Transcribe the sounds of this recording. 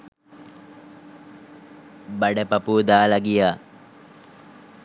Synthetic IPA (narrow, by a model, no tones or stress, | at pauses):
baɖəpɐpud̪aːlɐɡijaː